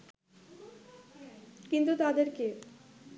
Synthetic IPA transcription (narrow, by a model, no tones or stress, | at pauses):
kint̪ut̪ad̪eɾke